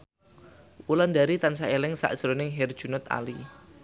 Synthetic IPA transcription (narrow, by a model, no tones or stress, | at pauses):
wulandaɾit̪ansaelɪŋsa̰ʔd̥ʒ̥ɾonɪŋɦɛrd̥ʒ̥ṳnʊt̪a̰li